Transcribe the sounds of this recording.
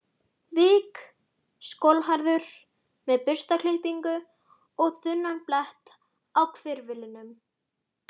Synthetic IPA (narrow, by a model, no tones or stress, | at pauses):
viːk | skowlɦaɾðʏɾ̥ | mɛðpʏɾ̥st̪akʰlɪlpiŋkʏ | ɔɣθʏnːanplɛht̪ | awkʰvɪɾvɪlɪnʏm